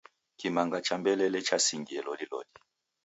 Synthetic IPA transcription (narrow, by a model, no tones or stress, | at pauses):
kimaŋɡat͡ʃambɛlɛlɛt͡ʃasiŋɡiɛlɔlilɔ̰li